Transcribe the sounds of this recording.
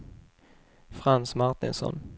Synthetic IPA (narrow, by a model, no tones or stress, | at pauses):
fɾansmaɾt̪ɪnsɔ̰n